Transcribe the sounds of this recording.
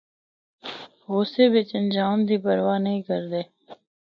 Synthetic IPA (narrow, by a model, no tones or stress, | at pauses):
ɦoːseːbɪt͡ʃənd͡ʒaːmd̪ʱiːpəɾʋaːnəɦĩːkəɾd̪eː